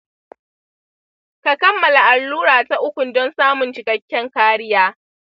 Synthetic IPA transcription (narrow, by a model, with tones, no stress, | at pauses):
ka˨kɐ˦mːɐ˨la˨ʔa˨lːuː˦ɽaː˨ta˨ʔʊ˦kʷʊ˨ndɔ˦nsaː˦mʊ˨nt͡ʃɪ˨kɐ˦kʲːɛ˦ŋkaː˦ɽɪ˦jaː˦